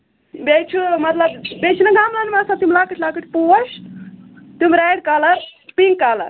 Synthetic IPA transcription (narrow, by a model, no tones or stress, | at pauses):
bet͡ʃʰumɐt̪ləbbet͡ʃʰunɐɡʱamlanmasat̪imlakəʈlakəʈpos | t̪umɾajɽkaləɾpiŋkːalə̰ɾ